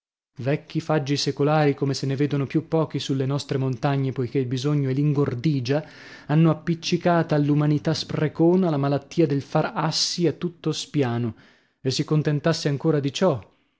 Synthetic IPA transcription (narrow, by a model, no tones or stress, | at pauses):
vɛkːifad͡ʒːisekolaːɾikomeseneveːd̪onopjupːɔːk̟isulːenɔst̪ɾemont̪aɲːepojk̟eilbizoɲːoɛliŋɡord̪iːd͡ʒa | anːoapːit͡ʃːikaːt̪aːlːumanit̪asprekoːnalamalat̪ːiːad̪elfarasːiat̪ːut̪ːospjaːno | esːikont̪ent̪asːeaŋkoːɾad̪it͡ʃɔ